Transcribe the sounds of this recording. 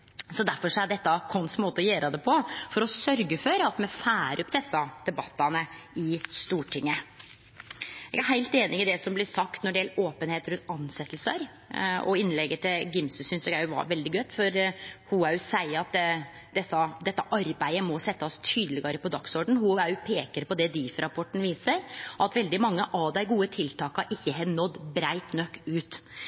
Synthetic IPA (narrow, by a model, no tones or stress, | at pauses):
sɔd̪æɾfɔʂɔæɖɛt̪ːɑkʰɔnsmoːt̪əɔjøːɾəd̪ɛpʰɔfɔɾɔsœɾɡəfɔɾɑt̪mɛfæːɾʔʉpd̪ɛsːɑd̪̥ɛbɑt̪ːɑnəɪst̪uːʈʰɪŋːə | ɛ̰ːɡæɾhæɪlt̪eːnɪɪd̪ɛsɔmblɪsɑkt̪nɔɖɛɛːloːpənheːt̪ɾʉnt̪ɑnsɛt̪ːlsəɾ | ɔ̰ɪnlɛɡət̪ʰɪlɡɪmsəsʏnsɛɡæɪʋɑ̰ɾʋɛld̪ɪɡœt̪fɔɾhʊæjʊsæɪəɑt̪ | d̪ɛsːɑd̪ɛt̪ːəʔɑɾbæɪəmɔsɛt̪ːəɔst̪ʰyːd̪əlɪɡəːɾəpɔd̪ɑksɔɖɳ̩hʊæɾjʊpʰeːkəɾpɔd̪ɛd̪iːfɾɑpʰɔʈːɳn̩ʋiːsəɾʔɑt̪ʋɛld̪ɪmɑŋːəʔɑʋd̪æɪɡuːət̪ʰɪlt̪ʰɑːkɑɾʔɪçːəɦɛd̪nɔd̪ːbɾæɪt̪nœkːʉːt̪